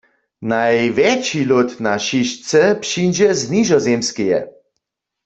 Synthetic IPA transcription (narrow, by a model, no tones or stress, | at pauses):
najʋɛt͡ʃilot̪naʃiʃt͡sɛpʃind͡ʒɛzniʒɔzemskijɛ̰